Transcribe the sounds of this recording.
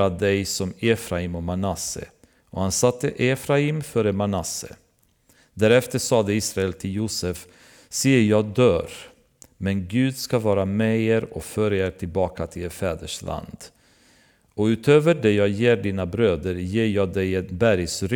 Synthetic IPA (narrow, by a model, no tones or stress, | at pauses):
ad̪ɛjsɔmeːfɾaiːmɔmanasə̰ | ʔɔhansat̪ːəʔefɾaimfœːɾəmanasə̰ | d̪æːɾɛft̪əsɑːd̪əiːsɾaɛlt̪ʰɪljuːsəf | siːjəjɑːd̪øːɾ | mɛnɡʉ̟ːd̪skavɑːɾamɛːeːɾɔfœːɾaeːɾʈʰɪlbɑːkʰat̪ʰɪleɾfɛːd̪əʂlʔa̰nd̪̥ | ɔʉ̟ːt̪ʰøːvəɖɛjɑːjeːɖiːnabɾøːd̪əɾjeːjɑːɡd̪ɛjɛnbæɾjsɾ